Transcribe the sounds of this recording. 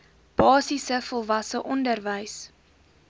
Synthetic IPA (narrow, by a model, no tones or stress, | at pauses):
b̥ɑːsisəfɔlˠvɐsəʔɔndərvəjs